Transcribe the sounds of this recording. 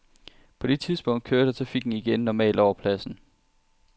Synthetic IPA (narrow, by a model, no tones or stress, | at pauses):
pʰɒ̽d̥e̝t͡sʰið̞ˠsb̥ɔ̽ŋ̰d̥kʰøɐɾ̥ət͡sʰʁɑfiɡ̥n̩iɡ̥enːɒmɛ̰ːld̥ɒʊɐpʰlæsn̩